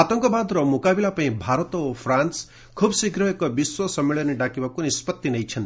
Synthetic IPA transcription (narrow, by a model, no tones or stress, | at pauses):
at̪ɔŋkɔbad̪ɾɔmukabilapaĩbʱaɾɔt̪opʰɾans | kʰubsiɡɾɔɦekɔbiswɔsʌmːeɭɔniɖakibakunispɔt̪ːinʌjt͡ʃʰʌnt̪